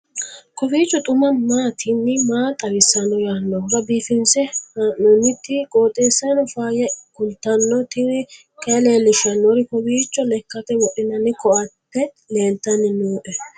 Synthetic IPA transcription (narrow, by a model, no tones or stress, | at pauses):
kɔfiːt͡ʃːɔt̪ʼʊmɐmaːt̪ʰɪnːɪmaːt̪ʼɐɾɪsːɐnɔjaːnːɔɾɐbiːfɪnsɛhanːɔnːɪt̪ːɪkʼoːt̪ʼːeːsːɐnɔfaːjɛkʊlt̪ːɐnːɔt̪ɪn | kʼɛleːlɪʃɐnːɔɾɪkɔfiːt͡ʃːɔlɛkːɐt̪ɛwɔʔɪnɐnːɪkɔʔɐpːɛ | le̞ːlt̪ɐnːɪnoːʔɛ